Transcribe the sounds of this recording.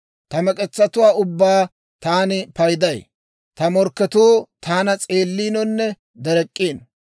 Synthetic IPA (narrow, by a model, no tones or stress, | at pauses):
t̪ɐmɛkʼɛt͡sːɐt̪ʊwaːʊbːaː | t̪aːnɪpɐjd̪ɐj | t̪ɐmɔɾkːɛt̪uːt̪ʰaːnɐt͡sʼe̞ːlːiːnɔnːɛ | d̪ɛɾɛkʼːeːn